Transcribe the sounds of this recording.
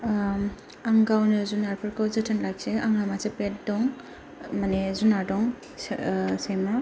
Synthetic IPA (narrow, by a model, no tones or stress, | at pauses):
aŋɡawnɯzunaɾpʰɯɾkawzɯtʰɯnlajk̚seaŋɾamasepet̚dɔŋ | manezunaɾdɔŋ | sema